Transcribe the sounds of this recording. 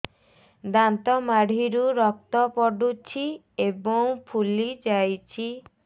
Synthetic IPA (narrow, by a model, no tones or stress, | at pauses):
d̪ant̪ɔmaɽ̤iɾuɾɔk̚t̪ɔpɔɖut͡ʃʰi | ebɔŋpʰulid͡ʒajt͡ʃʰi